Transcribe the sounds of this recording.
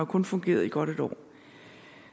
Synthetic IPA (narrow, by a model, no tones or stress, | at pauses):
ʊkʰɔ̽nfɔ̽ŋɡ̥e̝̰ːɐðˠiɡ̥ɒ̽ɾ̥e̝d̥ɒ̰ː